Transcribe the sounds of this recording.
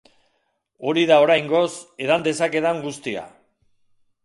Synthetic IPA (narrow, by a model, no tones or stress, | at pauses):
o̞ɾiðao̞ɾajŋɡo̞se̞ðand̪e̞sake̞ðaŋɡust̪ia̰